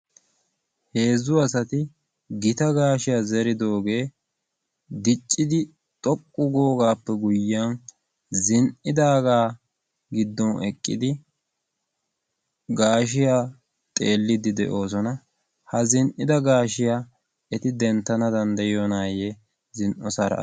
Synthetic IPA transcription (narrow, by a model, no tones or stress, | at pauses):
he̞ːzːʊɐsɐt̪ɪ | ɡɪt̪ɐɡaːʃɪjaːzɛɾɪd̪o̞ːɡe̞ː | d̪ɪt͡ʃʼːɪd̪ɪ | t̪ʼɔkʼːʊɡoːɡaːpːɛɡʊjːan | zɪnʔɪd̪aːɡaː | ɡɪd̪ːɔnɛ̰kʼːɪ̰d̪ɪ | ɡaːʃɪjaː | t̪ʼeːlːɪd̪ɪd̪ɛ̰ʔo̞ːs̬ɔnɐ | hɐzɪnʔɪd̪ɐɡaːʃɪja | ɛt̪ɪd̪ɛnt̪ːɐnɐd̪ɐnd̪ɐjonaːje | zɪnʔɔsɐɾɐ̰